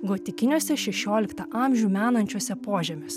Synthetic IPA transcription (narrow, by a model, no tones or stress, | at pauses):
ɡoːt̪ʲɪkʲɪnʲuɔsʲɛʃʲɛʃʲoːlʲɪkt̪ɐʔɑˑmʲʒʲuːmʲæːnɐnʲt͡ʃʲuɔsʲɛpoːʒʲɛmʲoːsʲ